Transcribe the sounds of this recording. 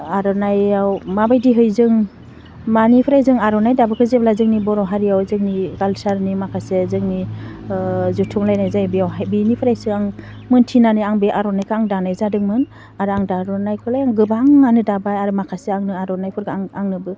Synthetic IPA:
aɾɔnajawmabajdiɦɯjzɯŋ | manipʰɾajzɯŋaɾɔnajdabɯkʰɯzeblazɯŋnibɔɾɔɦaɾijawzɯŋniɡalsaɾnimakʰasezɯŋni | zutʰuŋlajnajzajbijawɦajbinipʰɯɾajsɯaŋ | mɯntʰinanɯjaŋbeʔaɾɔnajkʰɯaŋdanajzadɯŋmɯn | aɾɯaŋdaɾɔnajkʰɯlajaŋɡɯbaŋːanɯdabajaɾɯmakʰaseaŋnɯaɾɔnajpʰɔɾɡaaŋaŋnɯbɯ

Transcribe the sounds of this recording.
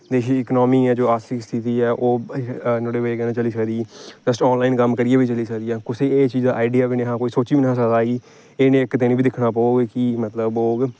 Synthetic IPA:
d̪eːʃiːɪknɔːmiːɛːd͡ʒoːaːsɪkst̪ʰɪt̪iːɛːʔoːnoːɽeːʋekɛnãːt͡ʃəliːsəkd̪iːd͡ʒəsʈɔːnlaːɪnkəmːkəɾɪiaːbiːt͡ʃəliːsəkd̪ijaːkʊsʰeːeːt͡ʃiːzd̪aːaːɪɖɪjaːʋiːnẽːɦãːkoːiːsoːt͡ʃiːbinãsəd̪aːiː | eːnẽːkt̪eːniːbiːd̪ɪkʰnaːpooːɡkimət̪ləboːɡ

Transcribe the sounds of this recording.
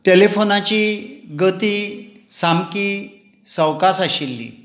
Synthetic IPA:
telefonat͡ɕiɡət̪iː | samki | səwkasaɕilːḭ

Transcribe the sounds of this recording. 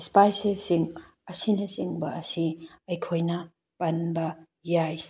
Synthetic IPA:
spajsesiŋ | ɐsinɐsiŋbɐɐsiɐjkʰojnɐ | pɐnbɐ | jaj

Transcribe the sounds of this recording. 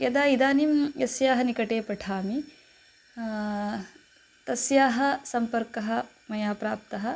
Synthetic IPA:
jɐd̪aːid̪aːnimjɐsjaːɦɐnikɐʈeːpɐʈʰaːmi | t̪ɐsjaːɦɐ̆sɐmpɐɾkɐɦɐ̆ | mɐjaːpɾaːp̚t̪ɐɦɐ̆

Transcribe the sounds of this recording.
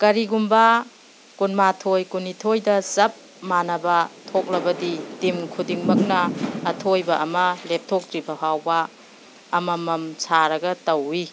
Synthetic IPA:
kɐɾiɡumba | kunmatʰojkunitʰojdɐzɐp̚ | manɐbɐtʰok̚lɐbɐditimkʰudiŋmɐk̚nɐːtʰojbɐʔɐmɐlep̚tʰok̚tɾibɐhawbɐː | mɐmɐmsʰaɾɐɡɐtɐwi

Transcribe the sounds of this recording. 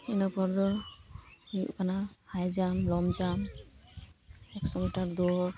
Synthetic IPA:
inɔpʰɔɾd̪ɔ | ijṵʔkʰanahajd͡ʒamlɔmd͡ʒam | ɛksɔmitaɾd̪ɔ

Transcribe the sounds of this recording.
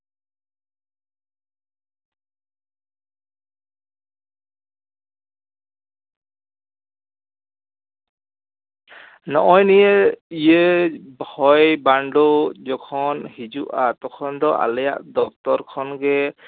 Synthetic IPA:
nɔʔɔjnijeijebhɔjbaɳɖɔd͡ʒɔkʰɔnhid͡ʒuʔat̪ɔkʰɔnd̪ɔʔa̰lɛjaʔd̪ɔk̚t̪ɔɾkʰɔnɡɛ

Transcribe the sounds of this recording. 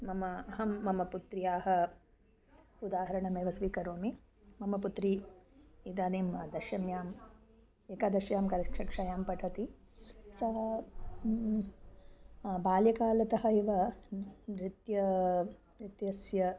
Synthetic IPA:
mɐmɐɐɦɐmːɐmɐput̪ɾijaːɦɐ | ud̪aːɦɐɾɐɳɐmeːʋɐsʋiːkɐɾoːmi | mɐmɐput̪ɾiː | d̪aːneːmɐd̪ɐʃɐmjaːm | eːkaːd̪ɐʃjaːmkɐɾɐkʂɐkʂaːjaːmpɐʈʰɐt̪i | sɐɦɐ | baːljɐkaːlɐt̪ɐɦɐiʋɐ | ɾit̪jɐ | ɾit̪jɐsjɐ

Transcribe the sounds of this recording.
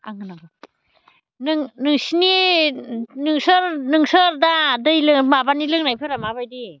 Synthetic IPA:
a̰ŋɯnabɯ | nɯŋnɯŋsini | nɯŋsɯɾnɯŋsɯɾdadɯjlɯŋmabanilɯŋnajpʰɯɾamaβajdi

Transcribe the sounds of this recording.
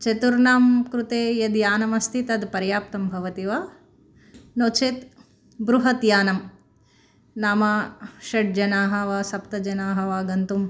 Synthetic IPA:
t͡ʃɐt̪uɾnaːmkɾut̪eːjɐd̪jaːnɐmɐst̪ʰit̪ɐd̪pɐɾjaːp̚t̪ɐmbʱɐʋɐt̪iʋaː | noːt͡ʃʰet̪ | bɾuɦɐt̪jaːnɐm | naːmaːʃɐʈ̚d͡ʒɐnaːɦɐʋaːsɐpt̪ɐd͡ʒɐnaːɦɐʋaːɡɐnt̪um

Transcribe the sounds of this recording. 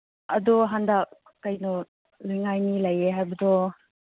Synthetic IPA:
ɐdɔɦandak̚ | kɐjnɔ | lujŋajnilɐjeɦajbɐdɔ

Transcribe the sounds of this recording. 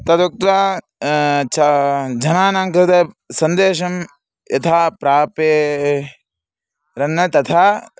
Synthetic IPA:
t̪ɐt̪uk̚t̪a | t͡ʃʰad͡ʒɐnaːnaŋkɾɐt̪ɐ | sɐnd̪eːʃɐm | jɐt̪ʰaːpɾaːpeː | ɾɐnːɐt̪ɐt̪ʰaː

